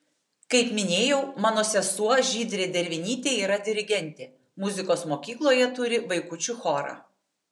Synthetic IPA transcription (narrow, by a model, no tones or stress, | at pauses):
kɐɪpmʲɪnʲeːjɛʊmɑːnoːsʲɛsuɔʒʲiːd̪ʲɾʲeːd̪ʲɛɾʲʋʲɪnʲiːt̪ʲeːiːɾɐd̪ʲɪɾʲɪɡʲɛnʲt̪ʲeː | mʊzʲɪkoːsmoːkʲiːklˠoːjɛt̪ʊɾʲɪʋɐɪkʊt͡ʃʲʊxoːɾɑ̰ː